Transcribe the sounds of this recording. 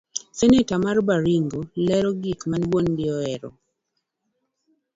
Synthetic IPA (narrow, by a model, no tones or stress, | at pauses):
sɛnɪtamarbaɾiŋɡolɛɾɔɡikmanwondɪɔɛɾɔ̰